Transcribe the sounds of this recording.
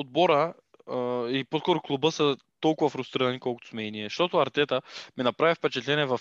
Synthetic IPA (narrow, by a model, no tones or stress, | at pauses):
od̪̚bɔɾə | iposkɔɾʊklˠubəsə | t̪ɔlˠkʊvɐfɾʊst̪ɾiɾɐnikɔlˠkʊ̥t̪ʊ̥smɛɛniɛʃt̪ɔt̪ʊɐɾt̪ɛt̪əmɛnɐpɾavifpɛt͡ʃɛt̪lɛnɛvɐf